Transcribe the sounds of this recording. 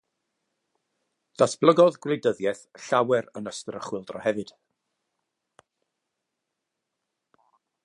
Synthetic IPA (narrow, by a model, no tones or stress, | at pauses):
d̥asb̥lˠəɡɔðɡwedəðjɛθɬawɛɾənəstəɾəχwɪlˠdrɔ̰hɛvɨd̥